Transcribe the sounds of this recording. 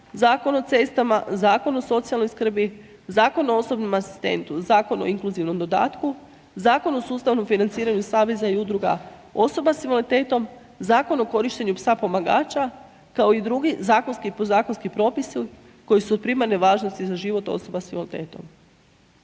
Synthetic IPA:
zaːko̞not̪est̪amazaːko̞no̞so̞t̪sialˠno̞jskr̩bi | zaːko̞nooso̞bnomasi̥st̪e̞̰nt̪uzaːko̞no̰iŋkluziʋno̞md̪o̞d̪a̰ːt̪ku | zaːko̞nosuːst̪aʋno̞mfinant̪siːɾaɲusaːʋe̞zaiud̪ɾuɡa̰o̞so̞basimolit̪e̞ːt̪o̞m | zaːko̞noko̞ɾiʃt̪eɲupsapo̞maɡa̰ːt͡ɕa | kao̞id̪ɾuɡizaːkonskipozaːko̞nskipɾo̞ːpisi | ko̞jisuod̪̚pɾimaɾneʋaːʒnost̪izaʒiʋo̞t̪o̞̰so̞basimolit̪eːt̪o̞̰m

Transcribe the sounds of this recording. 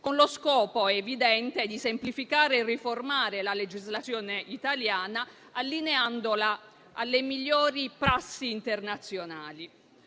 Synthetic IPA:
konloskɔːpoevid̪ɛnt̪ed̪isemplifikaːɾeːrːiformaːɾelaled͡ʒizlat̪sjɔːneʔit̪aljaːna | alːineand̪ola | alːemiʎːɔːɾipɾasːiːnt̪ernat̪sːjonaːli

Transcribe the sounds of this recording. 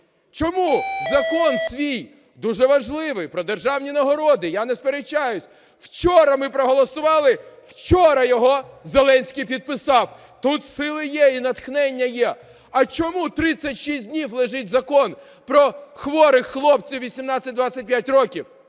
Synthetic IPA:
t͡ʃɔmuzɐkɔnsʲʋʲij | d̪uʒɛʋɐʒlˠɪʋɪjpɾɔd̪erʒɑwnʲinɐɦɔɾɔd̪ɪjanɛspeɾet͡ʃːajʊsʲ | w̥t͡ʃɔɾɐmɪpɾɔɦɔlˠɔsʊʋɑlˠɪwt͡ʃɔɾɐjɔɦɔzelˠɛnʲsʲkʲijp̬ʲid̪̚pɪsɑw | t̪ut̪sɪlˠɪjɛinɐt̪xnɛnʲːɐjɛ | ɐt͡ʃɔmut̪ɾɪt͡sʲːɐtʲʃisʲdʲnʲiwlˠɪʒɪt̚ʲzɐkɔn | pɾɔxʋɔɾɪxːlˠɔpt͡sʲiwʋʲisʲimnɑt͡sʲːɐt̚ʲd̪ʋat͡sʲːɐt̚ʲpjatʲrɔkʲiw

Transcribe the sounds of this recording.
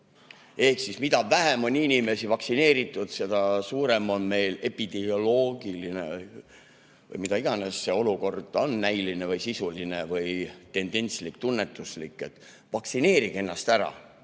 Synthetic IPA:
e̞hksismid̪ɑvæɦemo̞nʲinʲime̞sivɑksine̞ːɾit̪ːˑud̪̥se̞d̪̥ɑsuːɾe̞mo̞nme̞jle̞pid̪̥eo̞lo̞ːɡ̥ilinej | vɤ̰jmid̪ɑiɡ̥ɑnesːe̞o̞luko̞rd̪̥o̞nːæjlinevɯjsisuline̞vɯjt̪e̞nd̪̥e̞nʲt̪slikt̪unːe̞t̪ːˑuslikːˑe̞t̪ː | vɑksine̞ːɾiɡ̥e̞nːɑst̪æɾɑ̰

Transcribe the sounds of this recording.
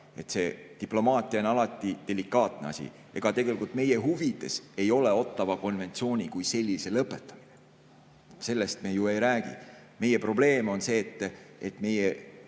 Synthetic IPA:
e̞t̪ːse̞ːt̪iplo̞mɑːt̪ʲˑiɑonɑlɑt̪ːˑid̪̥e̞likːˑɑːt̪ne̞̰ɑ̰sʲḭ | eɡ̥ɑt̪e̞ɡe̞likult̪me̞jeɦuvid̪̥e̞se̞jo̞leo̞t̪ːˑɑvɑko̞nve̞nt̪sio̞ːnʲikujse̞lʲːise̞lɤpːˑet̪ːˑɑ̥mine | se̞lːest̪mejue̞jɾæːɡ̥ḭ | me̞je̞pro̞b̥le̞ːmo̞nse̞ːt̪ːet̪ːme̞je

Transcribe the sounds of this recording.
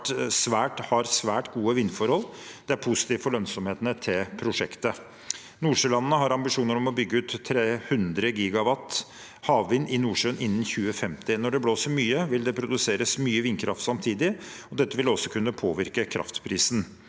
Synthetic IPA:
sʋæːʈhɑɾsʋæːʈɡuːəʋɪnfɔɾhɔld̪ɛæɾpʰʊsɪ̥t̪iːʋfɔɭœnsɔmheːt̪ənət̪ʰɪlpʰɾʊʂɛkt̪ə | nuːʂøːlɑnːənəɦɑɾɑmbɪʂuːnəɾɔmɔbʏɡːəʉːt̪ʰːɾeːhʉnd̪ɾəɡiːɡɑʋɑt̪ː | hɑːʋʋɪnːɪnuːʂøːnʔɪnːn̩çʉːəfɛmt̪ɪnɔɖɛbloːsəɾmyːəʋɪld̪ɛpʰɾʊd̪ʉseːɾəsmyːəʋɪnkʰɾʔɑft̪sɑmt̪ʰiːd̪ɪɔd̪ɛt̪ːəʋɪlɔsːɔkʰʉnːəpʰoːʋɪɾkəkʰɾɑ̰ft̪pʰɾiːsn

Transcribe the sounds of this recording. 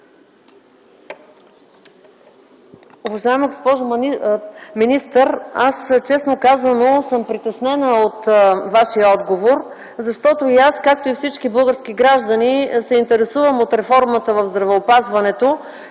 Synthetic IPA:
ovɐʒaɛməɡospɔʒ | minist̪əɾast͡ʃɛsnokazənosəmpɾit̪ɛsnɛnəot̪vaʃijəɔd̪ɡovoɾ | zɐʃt̪ɔt̪oiaskak̚t̪oifsit͡ʃkibɤɡəɾskiɡɾaʒd̪ənisɛint̪ɛɾɛsuvəmot̪ɾɛfɔɾmət̪əvɐvzd̪ɾɐvɛopazvɐnɛt̪o

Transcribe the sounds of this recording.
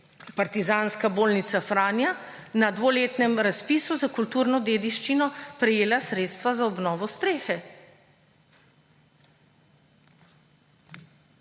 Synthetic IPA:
paɾt̪izaːnskaboːlnit̪safɾaːnja | nad̪ʋoleːt̪nɛmɾaspiːsuzakult̪uːɾnɔd̪eːd̪iʃt͡ʃinɔpɾɛjeːlasɾeːt̪st̪ʋazaɔbnɔːʋɔst̪ɾeːxɛ

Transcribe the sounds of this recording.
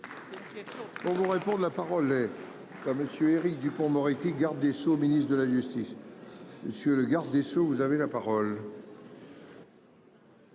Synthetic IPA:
puʁvuʁepɔ̃d̪lapaʁɔlːɛ | kaʁməsjøeʁik̚d̪ypɔ̃mɔʁit̪iɡaʁd̪ːesominist̪χd̪əlaʒyst̪isməsjøləɡaʁd̪ːesovuzavelapaʁɔl

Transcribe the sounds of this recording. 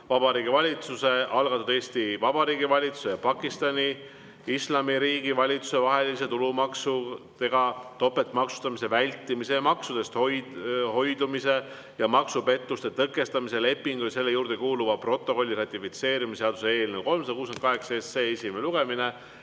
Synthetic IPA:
vɑbɑɾiːɡ̥ivɑlʲit̪suse̞ʔɑlɡɑt̪ːˑud̪e̞ːsʲt̪ivɑb̥ɑɾiːɡivɑlʲit̪su̥se̞jɑpɑkːˑist̪ɑnʲi | islɑmiɾiːɡivɑlʲit̪su̥se̞vɑɦe̞lise̞t̪ulumɑksu | t̪e̞ɡ̥ɑt̪o̞pːe̞t̪ːˑmɑksu̥st̪ɑmise̞vælʲt̪ːˑimise̞jɑmɑksud̪e̞st̪hojho̞jd̪umise̞ | jɑmɑksupe̞t̪ːˑust̪e̞t̪ɤkːˑe̞st̪ɑmise̞le̞pːˑiŋɡ̥ujse̞lːe̞juːrd̪ekuːluvɑpro̞t̪ːˑo̞ko̞lʲːiɾɑt̪ʲːˑifit̪se̞ːɾimiseɑd̪usee̞ːlneko̞lmsɑd̪ɑkuːsent̪kɑɦe̞ksɑesːeesimeluɡ̥e̞mine̞

